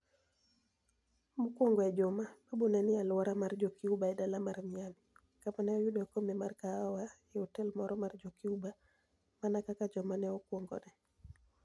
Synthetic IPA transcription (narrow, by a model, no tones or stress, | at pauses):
mukwɔŋɡɔɛd͡ʒɔmababonɛnɪalwaɾamard͡ʒɔkiubaɛdalamaɾmɪami | kamanɛɔjudɔkomɛmarkaawaɛɔtɛlmɔɾɔmard͡ʒokiuba | manakakad͡ʒɔmanɛɔkwɔŋɡɔ̰nɛ